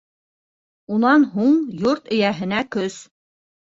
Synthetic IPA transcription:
unɑnɦuɴjoɾt̪ɵ̆jæɦɘ̆nækɵs

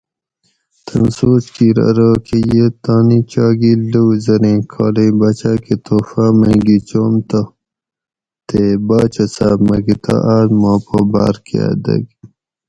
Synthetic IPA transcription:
t̪ʰɐnsoːskiɾɐ̰ɾoːkejet̪ɑːnit͡ɕɑːɡiluwzɐɾẽːkʰɑːlebɐt͡ɕaket̪ʰoːfameɡit͡ɕoːmt̪a | t̪ebɑːt͡ʃɐsaːbmɐɡit̪ʰa̰ʔaːɾmɑːpoba̰ːɾkʰḛa̰d̪ɐ̰ɡ

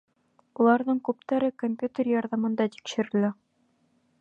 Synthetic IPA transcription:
ulˠɑɾðɤŋkʉp̚t̪æɾɘkompʲjut̪ʲerjɑɾðɑmɤ̆nd̪ɑt̪i̥kʃɘ̆ɾɘ̆læ

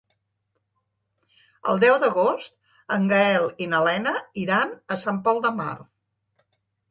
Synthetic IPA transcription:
ə̰lˠd̪ɛwd̪əɣ̞ost̪̚ | əŋɡəɛlˠinəlɛnəiɾanəsampɔlˠd̪əma̰r

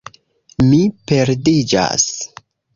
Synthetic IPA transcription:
mipe̞ɾdid͡ʒa̰s

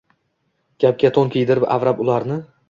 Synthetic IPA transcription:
ɡ̥ʲap̚ɡʲat̪ʰonkʲejd̪ɪɾɪpa̰vɾapʊlˠaɾnɪ

